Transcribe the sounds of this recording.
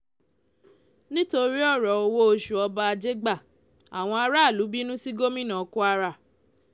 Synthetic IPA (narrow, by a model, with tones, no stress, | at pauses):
nĩ˦to˧ɾi˦ɔ˦˨ɾɔ˨o˧wo˦o˧ʃu˨ɔ˧ba˦a˧d͡ʒe˦ɡ͡ba˦˨ | a̰˨w̃ɔ̃˧a˧ɾa˦˨lu˨˦bi˦nũ˦si˦ɡo˦mĩ˦nã˨ko˦a˧ɾa˦˨